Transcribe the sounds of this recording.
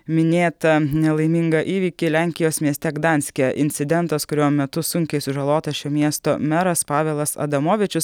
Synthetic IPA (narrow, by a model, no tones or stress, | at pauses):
mʲɪnʲeːt̪ɐnʲɛlˠɐɪmʲɪŋɡɐʔiːʋʲiːkʲilʲæˑŋʲkʲɪjoːsmʲiɛsʲt̪ʲɛɡd̪ɑnʲsʲkʲɪjɛʔɪ̰nʲt̪sʲɪd̪ʲɛnt̪ɐskʊɾʲuːmmʲɛt̪ʊsʊŋʲkʲɛɪsʊʒɐlˠoːt̪ɐʃʲoːmʲiɛst̪o̰ːmʲɛɾɐspɑːʋʲeːlˠɐsɐ̰d̪ɐmoːʋʲɪt͡ʃʲʊs